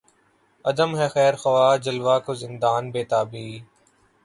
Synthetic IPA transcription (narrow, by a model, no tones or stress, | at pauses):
əd̪əmɦɛːxɛːɾxəʋaːd͡ʒəlʋaːkozɪnd̪aːnbeːt̪aːbiː